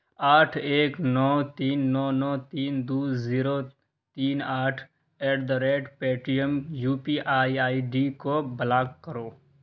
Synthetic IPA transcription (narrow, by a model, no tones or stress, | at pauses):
aːʈʰeːknɔːt̪iːnːɔːnɔːt̪iːnd̪uːziːɾo | t̪iːnaːʈʰ | eːʈd̪əɾeːɖpeːʈɾijəmjuːpiʔaːiaːiɖikobəlaːkkːəɾoː